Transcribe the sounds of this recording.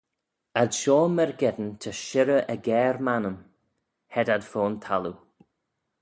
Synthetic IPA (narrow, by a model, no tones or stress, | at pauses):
adʃɔːmɛɹɡɛd̪ənt̪ʰəʃɪɾəʔəɡɛːɹmanəm | hɛdadfoːnt̪ʰalˠu